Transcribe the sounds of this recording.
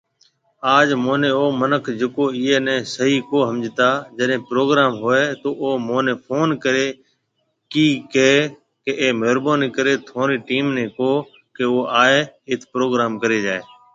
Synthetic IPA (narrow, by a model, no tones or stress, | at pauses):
aːd͡ʒmoːnẽːoːmənəkʰd͡ʒekoːiːeːnɛ̃ːsəɦiːkoːɦəmd͡ʒt̪aːd͡ʒəɗɦẽːpɾoːɡɾaːmɦoːeːt̪oːʔoːmoːneːpʰoːnkəɾeː | kiːkeː | keʔeːmeːɾboːniːkəɾeːt̪ʰoːɾiːʈiːmnẽːkoː | keːoːaːeːɪt̪ʰpɾoːɡɾaːmkəɾeːd͡ʒaːeː